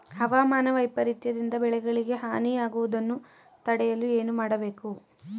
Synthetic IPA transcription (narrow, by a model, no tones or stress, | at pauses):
hɐʋaːmaːnɐʋɐjpɐɾit̪jɐd̪ind̪ɐbɛɭɛɡɐɭiɡe̞ɦaːniaːɡuʋud̪ɐnːu | t̪ɐɽɛjɐlue̞ːnumaːɽɐbe̞ːku